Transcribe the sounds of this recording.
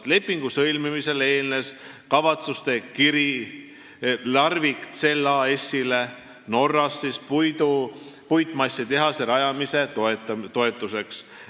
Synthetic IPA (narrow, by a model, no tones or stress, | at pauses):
le̞pːiŋɡ̥usɤjlmimise̞le̞ːlne̞s | kɑvɑt̪sust̪e̞kiɾi | lɑrvikt̪se̞lːɑe̞sʲːile̞ | no̞rːɑsːispjd̪upujt̪ːˑmɑsʲːit̪e̞ɦɑseɾɑjɑmise̞t̪oet̪ːɑt̪o̞e̞t̪ːˑuse̞ks